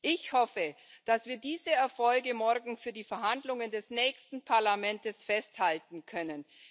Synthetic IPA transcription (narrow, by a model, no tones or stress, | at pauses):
ʔɪçhɔfəd̥asv̥iːɐdiːzəɛɐfɔlɡəmɔɐɡŋ̩fyːɐdiːfɛɐhandlʊŋəndɛsnɛːçstn̩pʰaɐlamɛntəsfɛsthaltn̩kʰœnən